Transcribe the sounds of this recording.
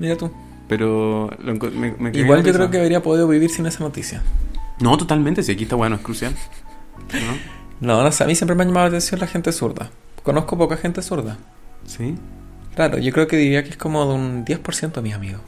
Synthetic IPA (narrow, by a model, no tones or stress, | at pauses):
miɾat̪u | peɾoloeŋkmemekiɣwalʝokɾeokeaβɾiapo̞ðiðoβiβiɾsine̞sano̞t̪isjanot̪ot̪almẽnt̪esiakiest̪awenoeskɾusjal | nononosea̰misjempɾemeaʝamaðolat̪e̞nsjo̞nlaxe̞nt̪esuɾða̰ | ko̞no̞sko̞p̬o̞kaxe̞nt̪esuɾða | si | klaɾo̰ʝo̞kɾe̞okeðiɾiakeesko̞moðeund̪jespo̞ɾsje̞nt̪omisamiɣo